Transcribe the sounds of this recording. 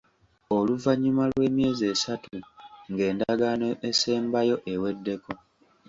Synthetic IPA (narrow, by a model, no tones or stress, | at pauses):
o̞luvaɲːumalwe̞ːmje̞ːze̞ːsatuŋɡe̞ːndaɡanoʔese̞ːmbajo̞ʔewe̞dːe̞kʰo̞